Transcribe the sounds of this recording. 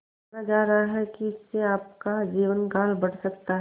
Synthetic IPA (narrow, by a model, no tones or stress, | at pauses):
ad͡ʒaːɾɐɦaɦɛkiɪsːeaːp̚kad͡ʒiːʋənɡaːlbɐɽ̤sɐkt̪aɦ